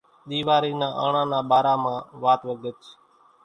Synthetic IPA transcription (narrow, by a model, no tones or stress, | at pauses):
ɗ̪iːʋaːɾiːnãːʔa̰ːɳãːnãːɓaːɾãːmãːʋaːt̪ʋəɡət͡ʃ